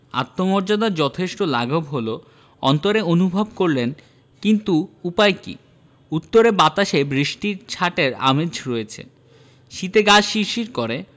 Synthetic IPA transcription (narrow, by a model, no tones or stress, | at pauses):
a̰t̪ːomɔɾd͡ʑad̪aɾd͡ʑɔt̪ʰeʃʈolaɡʱobɦolo | ɔ̰nt̪oɾeonubʱobkoɾlen | kint̪uupaekḭ | ut̪ːoɾebat̪aʃebɾiʃʈiɾt͡ɕʰaʈeɾa̰med͡ʑʱɾoet͡ɕʰḛ | ʃit̪eɡaʃiʃiɾkoɾe